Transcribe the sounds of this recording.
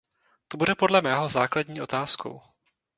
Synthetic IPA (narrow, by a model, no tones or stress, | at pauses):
t̪o̞budɛpo̞dlɛmɛːɦo̞za̰ːkladɲiːʔo̞t̪aːsko̰w